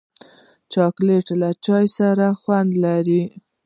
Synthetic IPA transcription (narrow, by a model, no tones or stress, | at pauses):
t͡ʃɑkleʈlat͡ʃɑjsaɾaxwand̪laɾi